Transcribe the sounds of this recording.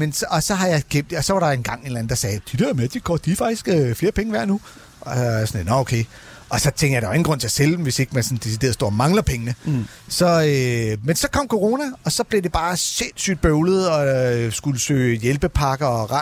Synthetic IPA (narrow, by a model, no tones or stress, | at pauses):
mensːsɒ̽ɦɑ̈jɑ̈ɪɡ̥ʰem̰d̥ɒ̽sɒ̽ʋɑɾɑ̈e̝nɡ̥ɑ̈ŋ̰e̝nlæn̩d̥ɑ̈sɛːjd̥id̥æɐmed̥ikʰɒ̰d̥ifɑ̈ɡ̥d̥isɡ̥øfle̝ːɐpʰeŋəʋæɐ̰nu | sɒnnɒokʰeɪ | ɒ̽sɒ̽t͡sʰeŋɡ̥jadeʋeŋn̩ɡʁɔ̽n̰t͡sʰe̝ɐseld̥m̩ʋe̝se̝ɡ̥mænsɒ̽n̩d̥es̬id̥e̝̰ɐðˠsd̥o̝ɐ̰mɑ̈ŋlɐpʰeŋənə | sɒ̽ømensɒ̽kʰɒ̽m̰kʰo̝ʁo̝ːnæɒ̽sɒ̽b̥le̝de̝b̥ɑ̈ːse̝n̰sy̰d̥̚b̥øʊlð̞̩ˠɒ̽sɡ̥uləsø̰ːjelb̥əpʰɑ̈ɡ̥ɐɒʁɑ̈